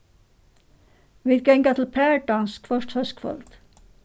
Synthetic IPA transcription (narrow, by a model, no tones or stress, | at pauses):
ʋid̪ɡɛŋɡɑt̪ʰl̩pʰæːɖɑnskfœʃʈhœskfɔ̰lt̪